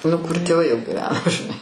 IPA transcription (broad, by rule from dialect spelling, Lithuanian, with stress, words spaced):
nʊ kʊr tʲeːˈʋɐɪ jɛʊ ɡʲɪˈʋʲæːnoː ʒʲɪˈnɐɪ